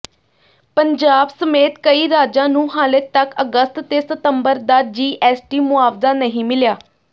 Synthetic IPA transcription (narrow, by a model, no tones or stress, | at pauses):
pəɲd͡ʒaːbsəmeːt̪kəiːɾaːd͡ʒãːnũːɦaːlət̪əkəɡəst̪t̪eːsət̪əmbəɾd̪aːd͡ʒiːʔɛːsʈiːmʊaːbzaːnəɦĩːmɪljaː